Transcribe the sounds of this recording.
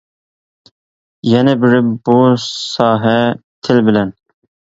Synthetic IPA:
jɛnɪbɪɾɪbusɑːɦɛt̪ʰɪlbɪlɛn

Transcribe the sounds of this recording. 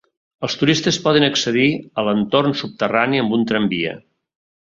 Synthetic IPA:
əlˠst̪uɾist̪əspɔðənəksəðiələnt̪ornsup̚t̪əraniəmbunt̪ɾəmbiə̰

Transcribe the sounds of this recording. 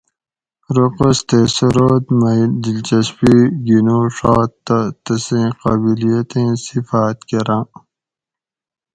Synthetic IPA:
ɾoqəst̪eːsɐɾoːt̪mɐd̪ilt͡ɕɐspiɡinoːʂaːt̪ːɐt̪ɐsẽːqɐbilijɐt̪ẽːsifaːt̪keɾãː

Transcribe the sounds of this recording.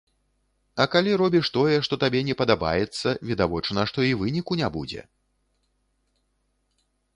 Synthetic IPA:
ɐkalʲiɾɔbʲiʂt̪ɔjɛʂt̪ɔt̪abʲɛnʲɛpɐd̪aba̰jɛt̪sːɐvʲid̪avɔt͡ʂnɐʂt̪ɔivɨnʲikunʲabud͡zʲɛ̰

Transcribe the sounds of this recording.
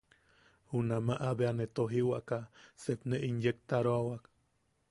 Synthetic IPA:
hunamaʔabeanet̪oɦiwaʔkasepneʔinjek̚t̪aɾoawak

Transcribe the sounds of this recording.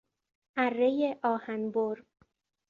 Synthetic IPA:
ʔærːejeʔɒːhænboɾ

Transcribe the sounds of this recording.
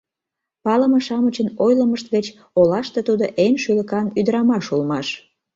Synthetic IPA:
pɑləməʃɑmət͡ɕənojləməʃt̪ɣət͡ɕ | olɑʃt̪et̪ud̪oʔenʃyləkɑnyd̪əɾɑmɑʃulmɑʃ

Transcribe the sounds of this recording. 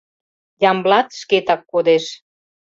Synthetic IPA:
jɑmblɑt̪ʃket̪ɑkːod̪eʃ

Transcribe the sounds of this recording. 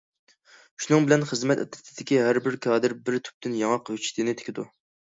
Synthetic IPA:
ʃunɨŋbɪlɛnχəzmɛt̪ɛ̰t̪ɾɪt̪ʰɪd̪̥ɪkʲiɦæɾbɪɾkʰɑːd̪ɨɾbɪɾt̪ʰy̥p̚t̪ʰɪnjɑŋɑqhøt͡ʃʰi̥t̪ʰɪnɪt̪ʰe̥kʲʰɪd̪u

